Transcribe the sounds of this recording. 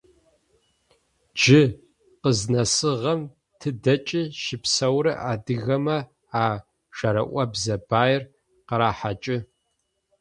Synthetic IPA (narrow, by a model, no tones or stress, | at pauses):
d͡ʒɪ | qəznɐsɨʁɐm | tʰɨdɐt͡ʃʼɪʃɪpsɐwɾɨʔaːdɨɣɐmɐ | aː | ʒ̥ɐɾɐ̰ʔʷɐbzɐbaːjɪr | qəɾaːħat͡ʃʼɪ